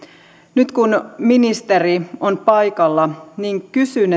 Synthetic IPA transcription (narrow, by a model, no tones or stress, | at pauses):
nyt̪kunminist̪erionpɑjkɑlːɑniːŋkysyn